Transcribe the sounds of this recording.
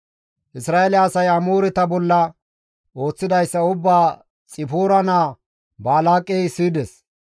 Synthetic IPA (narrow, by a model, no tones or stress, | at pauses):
ʔɪsɾaːelɛːsɐjɐmuːɾɪt̪ɐbɔlːɐ | o̞ːt͡sːɪd̪ɐjsːɐʊbːaː | t͡sʼɪpuːɾɐnaː | baːlaːkʼːɛjsiːd̪ɛs